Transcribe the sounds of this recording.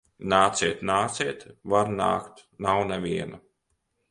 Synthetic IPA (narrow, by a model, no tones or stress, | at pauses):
naːt̪siɛt̪naːt̪siɛt̪vaɾna̰ːkt̪nawnɛvʲiɛnu